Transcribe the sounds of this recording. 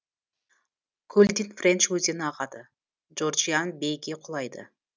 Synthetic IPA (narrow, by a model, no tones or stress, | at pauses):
kʰɵlʲd̪ɪnfrʲent͡ʃwɵzʲenɑʁɑd̪ə | d͡ʒord͡ʒijɑnbejɡʲeqʰʊlˠɑjd̪ə̰